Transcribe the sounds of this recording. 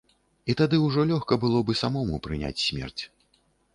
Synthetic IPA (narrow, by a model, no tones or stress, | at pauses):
it̪ad̪ɨwʐɔlʲɔxkɐbɨlˠɔbɨsamɔmupɾɨnʲa̰t͡sʲsʲmʲɛ̰rt͡sʲ